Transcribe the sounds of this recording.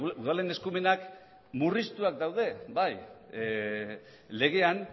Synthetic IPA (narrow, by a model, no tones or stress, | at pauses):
uðalene̞skume̞nak | murist̪uak̚d̪awð̞e̞baj | le̞ɣ̞e̞an